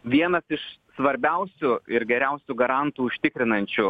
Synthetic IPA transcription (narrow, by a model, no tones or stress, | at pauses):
ʋʲiɛnɐsɪʃsʋɐɾʲbʲɛʊsʲʊɪɾɡʲɛɾʲɛʊsʲʊɡɐɾɐnt̪uːʊʃʲt̪ʲɪkɾʲɪnɐnʲt͡ʃʲʊ